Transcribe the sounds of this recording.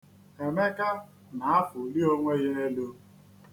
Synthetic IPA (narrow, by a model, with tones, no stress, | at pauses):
e˨me˦ka˦ | na˨a˦fʊ˨li˦o˦ŋʷe˦ɣe˦e˦lu˦